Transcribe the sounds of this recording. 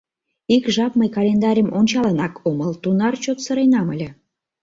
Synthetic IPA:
ikʒɑpməjkɑlʲend̪ɑɾʲəmʔonʲt͡ɕɑlənɑkʰoməlt̪unɑrt͡ɕot̪səɾejnɑməlʲĕ

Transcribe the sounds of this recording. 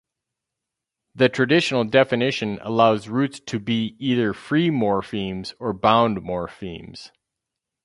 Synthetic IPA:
ðɨtʰɹ̥ɨdɪʃn̩l̩ˠdɛfɨnɪʃɨ̃nə̰laʊzɹʉtstʰɨbiiðə˞fɹimɔɹfĩmz̥ə˞bãʊ̃ndmɔɹfḭ̃mz̥

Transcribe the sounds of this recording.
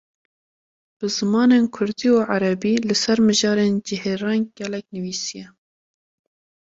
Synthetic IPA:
b̥ɨzɨmɑːneːnkʰʊɾd̪iːuʕaɾɛbiːlɨsɛɾmɨʒɑːɾeːnd͡ʒɪheːɾɑːnɡ̥ɛlɛk̚nɨviːsijɛ

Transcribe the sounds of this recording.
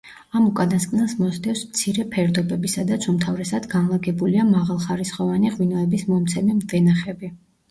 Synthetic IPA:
amukʼad̪askʼnɛlˠsmɔzd̪ɛfsmt̪sʰiɾɛpʰɛɾd̪ɔbɛbisad̪at̪sʰumt̪ʰavɾɛsad̪ɡanlˠaɡɛbuliamaʁalˠχaɾisχɔvaniʁwinɔɛbismɔmt̪sʰɛmɛmd̪ɛnaχɛbi

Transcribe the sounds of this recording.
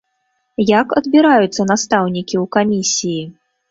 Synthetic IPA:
jakɐd̪bʲiɾajut̪sːɐnast̪awnʲikʲiwkamʲisʲiji

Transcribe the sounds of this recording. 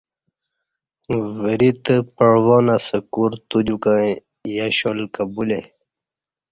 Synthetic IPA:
vəɾit̪əpəɳwonasəkuɾt̪ud͡ʑukã | jaɕolkabule

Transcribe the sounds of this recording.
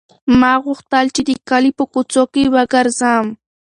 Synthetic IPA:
maɢoχt̪alt͡ʃɪd̪ikalɪpʊkʊt͡sokiwakaɾzaːm

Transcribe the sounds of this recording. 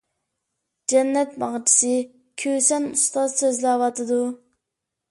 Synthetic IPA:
d͡ʒɛnːɛt̪̚mɑʁt͡ʃʰi̥sɨ | kʲʰøsɛnust̪ɑzsøzlɛwɑt̪ʰɨd̪u

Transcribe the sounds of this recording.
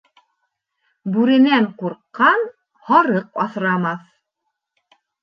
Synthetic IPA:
bʉɾɘ̆næɴquɾqːɑn | hɑɾɤq̚ɑθɾɑmɑθ

